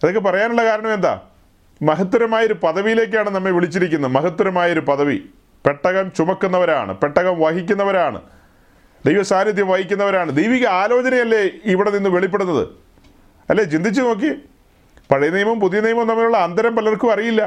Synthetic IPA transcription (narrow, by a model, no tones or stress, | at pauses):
ɐðokːepɐrɐjaːnuɭːɐkaːɾɐɳɐme̞nd̪a̰ː | mɐɦɐt̪ːuɾɐmaːjɐoɾupɐðɐʋijile̞ːk̬ːaːɳɨnɐmːeʋiɭit͡ɕːiɾikʲːunːɐmɐɦɐt̪ːuɾɐmaːjɐoɾupɐðɐʋḭ | peʈːɐɣɐmt͡ɕumɐkːunːɐʋɐɾa̰ːɳɨ̰pe̞ʈːɐɣɐmʋaɦikʲːunːɐʋɐɾaːɳɨ̰ | d̪ejʋɐsaːnɐd̪jɐmʋɐhikʲːunːɐʋɐɾaːɳɨd̪ejʋiɣɐaːlo̞ːt͡ɕɐnɐjɐlːeiʋiɽeninːɨʋe̞ɭipːeɽunːɐðɨ̰ | ɐlːeːt͡ɕind̪ʱit͡ɕːɨno̞ːk̬ːi | pɐɻɐjnijɐmɐmpuðijɐnijmɐmnɐmːɐuɭːɐːnd̪ɐɾɐmpɐlɐrkuɐrijilːɐ